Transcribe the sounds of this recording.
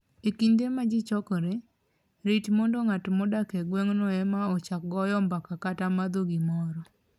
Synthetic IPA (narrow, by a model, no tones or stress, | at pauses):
ekindemad͡ʒɪt͡ʃɔkɔɾe | ɾitmɔndɔŋatmɔdakɛɡwɛŋnɔɛmaɔt͡ʃak̚ɡɔjɔmbakakatamad̪oɡimɔɾɔ